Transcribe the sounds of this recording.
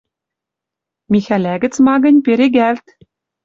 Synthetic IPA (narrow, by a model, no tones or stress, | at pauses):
mʲixʲælʲæɡʲɘ̆t͡smɑɡɤ̆nʲpʲeɾʲeɡʲælʲt̪ʲ